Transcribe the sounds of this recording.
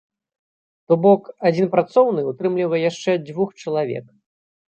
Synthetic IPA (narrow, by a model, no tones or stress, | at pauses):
t̪ɔbɔkad͡zʲinpɾat̪sɔwnɨut̪ɾɨmlʲivɐjjaʂt͡ʂɛd͡zʲvuxt͡ʂɐlˠavʲɛ̰k